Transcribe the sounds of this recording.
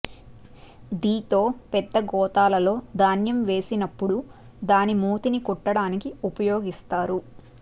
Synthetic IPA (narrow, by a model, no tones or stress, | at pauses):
d̪iːt̪o̞ːpɛd̪ːɐɡɔːt̪aːlɐlo̞ːd̪aːnjɐmʋe̞ːsinɐpːuɽu | d̪aːnimuːt̪inikɔʈːɐɽaːnikiupɐjoːɡist̪aːɾu